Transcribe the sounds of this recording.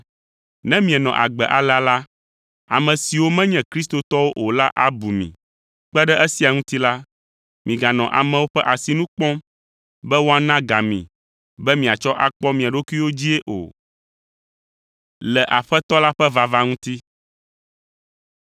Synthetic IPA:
nɛ̃˦mĩ˨ɛ˨nɔ̃˨ʔa̰˨ɡ͡bɛ˨ʔa˨la˦la˦ | a̰˨mɛ̃˨si˨wo˦mɛ̃˦ɲɛ̃˨kɾi˦st̪o˨t̪ɔ˦wo˦ʔo˨la˦ʔa˨bu˨mḭ̃˨ | k͡pɛ˦ɖɛ˦ʔɛ˦si˨a˨ŋũ˦t̪i˦la˦ | mĩ˨ɡa˨nɔ̃˨ʔa̰˨mɛ̃˨wo˦ɸɛ˦ʔa˨si˨nũ˦k͡pɔ̃˦m | bɛ˦wo˦a˦nã˦ɡa˨mḭ̃˨ | bɛ˦mĩ˨a˨t͡ʃɔ˦ʔa̰˨k͡pɔ˦mĩ˨a˨ɖo˦ku˦i˦wo˦d͡ʑi˦e˦ʔo̰˨ | lɛ˨ʔa˨ɸɛ˦t̪ɔ˦la˦ɸɛ˦va˨va˦ŋũ˦t̪i˦

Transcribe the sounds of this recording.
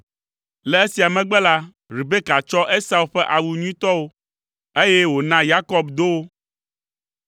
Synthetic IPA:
lɛ˨e˦si˨a˨mɛ̃˨ɡ͡bɛ˦la˦ | ɾi˨be˦ka˨t͡ʃɔ˦ʔe˦sa˨u˨ɸɛ˦ʔa˨wu˨ɲũ˦ĩ˦t̪ɔ˦wo˦ | e˦jɛ˦wo˨nã˦ja˦kɔ˨bd̪o˦wo˦

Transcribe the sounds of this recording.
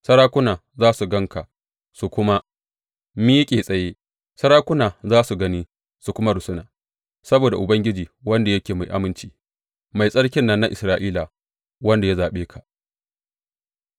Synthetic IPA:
sɐ˦ɾaː˦kʷʊ˦naː˨ | zaː˦su˨ɡɐ˦ŋka˨ | su˨kʷʊ˦ma˦ | mi˦kʲʼeː˨sʼɐ˦jeː˦ | sɐ˦ɾaː˦kʷʊ˦naː˨zaː˦su˨ɡɐ˦niː˦ | su˨kʷʊ˦ma˦ɽʊ˨sʊ˦naː˨ | sɐ˦boː˨da˨ʔʊ˨bɐ˦ŋɡʲɪ˦d͡ʒiː˨wɐ˦nda˨jɐ˦kʲeː˨ma˨jʔa˦mɪ˦nt͡ʃi̥ː˦ | ma˨jsʼɐ˦ɽkʲɪ˦nːɐ˦nːa˦ʔɪ˨sɾaː˦ʔiː˦la˨ | wɐ˦nda˨ja˦zaː˨ɓeː˦kʰa˨ʔ

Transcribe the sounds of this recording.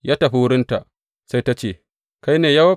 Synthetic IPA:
jʔaː˦ta˨ɸi˦wʊ˦ɾɪ˦nta˨ | sa˦jta˦t͡ʃeː˨ | ka˦jneː˨ja˦wa˦

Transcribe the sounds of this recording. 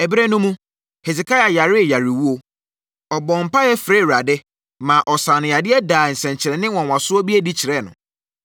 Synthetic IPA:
ɛ˨bɾɛ˦nʊ̃˦mũ˦ | he˨s̬e˨kʰa˦ja˨ja˨ɾɪ˦˨ja˨ɾi˨wu˦o˦ | ɔ˨bɔ̃˨m̩˨pa˦jɛ˦fɾe˦˨ɾa˨dɪ˦ | mã˨ʔɔ˨sã˨nʊ̃˨ja˨dɪ˦ɛ˦daː˨n̩˨sɛ̃˨ɲ˨t͡ɕʰɪ˨ɾɛ˨nɪ̃˦wɔ̃˨nwã˨sʊ˦ɔ˦bi˦e˦di˦t͡ɕʰɪ˨ɾɛ˦˨nʊ̰̃˨

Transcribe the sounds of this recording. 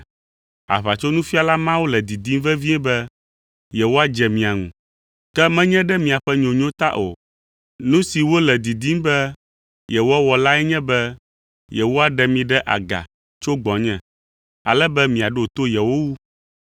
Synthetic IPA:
a̰˨ɸa˨t͡ʃo˦nũ˦fi˦a˨la˦mã˦wo˦lɛ˨d̪i˨d̪i˦m˦vɛ˦vi˦ɛ˦bɛ˦ | jɛ˨wo˦a˨d͡ʒɛ˨mĩ˨a˨ŋṵ̃˨ | kɛ˦mɛ̃˦ɲɛ̃˦ɖɛ˦mĩ˨a˨ɸɛ˦ɲõ˨ɲõ˦t̪a̰˦ʔo̰˨ | nũ˦si˨wo˦lɛ˨d̪i˨d̪i˦mbɛ˦ | jɛ˨wo˦ɛ˦wɔ˨la˦ɛ˦ɲɛ̃˦bɛ˦ | jɛ˨wo˦a˨ɖɛ˦mĩ˨ɖɛ˦ʔa̰˨ɡa̰˨ | t͡ʃo˦ɡ͡bɔ̃˨ɲɛ̃˦ | a̰˨lɛ˦bɛ˦mĩ˨a˨ɖɛ˦o˨t̪o˦jɛ˨wo˦wu˦

